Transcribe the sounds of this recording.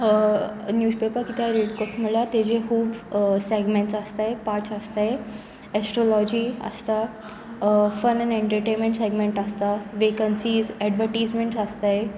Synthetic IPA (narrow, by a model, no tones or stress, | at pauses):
njuːspepəɾkit̪aɾiɽkoʈʰm̤əɭat̪ed͡ʑeɦuːbseɡmẽɳʈsəst̪ajpaɾt͡səst̪aje | ɛsʈɾolɔd͡ʑiːə̰st̪a | fənɛneɳʈəɾʈenmẽɳʈseɡmeɳʈəst̪aʋekənsiːzɛɖʋəɾʈijzmeɳʈsəst̪aje